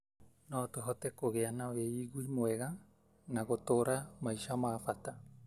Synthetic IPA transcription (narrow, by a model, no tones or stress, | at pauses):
notoɦotekoɡeanaoeiɡuimoeɡa | naɡotoɾamajsamaːfata